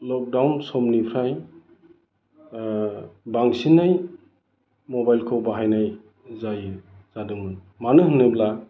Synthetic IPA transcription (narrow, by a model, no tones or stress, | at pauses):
lɔk̚dawnsɔmnipʰɾaj | baŋsinːaj | mɔbajlkʰowbaɦajnaj | zajɯz̥adɯŋmɯn | manɯɦɯnɯbla